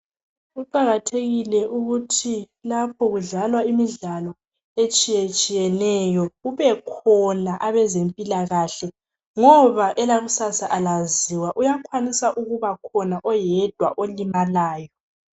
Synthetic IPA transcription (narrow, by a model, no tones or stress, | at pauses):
uǃaɣatʰeɣilɛʔuɣutʰi | lapʰɔɣuɮalwaimiɮalɔ | et͡ʃʼijet͡ʃʼijɛnɛjɔuβɛkʰɔnaʔaβɛzempʼilaɣaɬɛ | ŋɔβaʔɛlaɣusasaʔalaziwaʔujakʰwanisaʔuɣuβakʰɔnaʔɔjɛd̥ʱwa̰ʔolimalaːjɔ